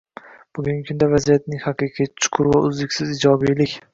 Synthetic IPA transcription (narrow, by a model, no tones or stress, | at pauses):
b̥ʊɡʲʊŋʲɪkʰʊnd̪avazijat̪̚nɪŋhɑqʰɨqʰijt͡ʃʰʊ̥qʰʊɾvaʊzlɪkʲsɪzɪd͡ʒɒbijlɪkʲ